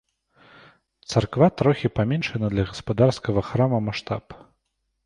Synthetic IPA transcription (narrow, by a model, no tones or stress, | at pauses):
t̪sarkvat̪ɾɔxʲipamʲɛnʂɐnɐd̪lʲɐɣɐspad̪arskɐɣɐxɾamɐmaʂt̪a̰p